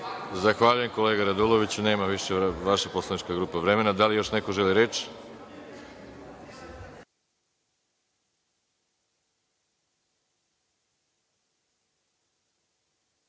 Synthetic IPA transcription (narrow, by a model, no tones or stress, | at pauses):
zaxʋaʎuje̞mko̞le̞ːɡaɾad̪ulˠoʋit͡ɕuneːmaʋiʃeʋaʃapo̞slˠanit͡ʃkaɡɾuːpaʋɾe̞me̞nad̪alijo̞ʃne̞ko̞ʒe̞liɾe̞t͡ʃ